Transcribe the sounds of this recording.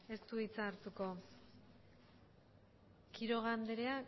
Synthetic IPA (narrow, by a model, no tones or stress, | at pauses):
e̞st̪uit͡saɾt̪uko̞ | kiɾo̞ɣ̞and̪eɾea